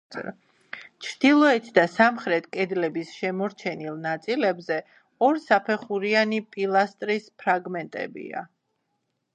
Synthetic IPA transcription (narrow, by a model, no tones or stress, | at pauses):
t͡ʃʰɾd̪̥ilˠɔɛt̪ʰd̪asamχɾɛt̪ʰkʼɛd̪lɛbisʃɛmɔɾt͡ʃʰɛnilˠnat̪sʼilɛbzɛ | ɔɾsapʰɛχuɾianipʼilˠast̪ʼɾispʰɾaɡmɛnt̪ʼɛ̰bḭa̰